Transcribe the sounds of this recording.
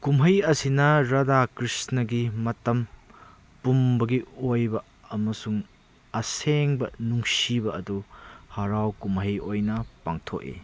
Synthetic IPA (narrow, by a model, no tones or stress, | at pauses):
kumɦɐjɐsinɐɾɐdakɾisnɐɡimɐtɐm | pumbɐɡiojbɐ | ɐmɐsuŋ | ɐseŋbɐnuŋsibɐɐduhaɾawkumhɐjojnɐpaŋtʰo̰ʔḛ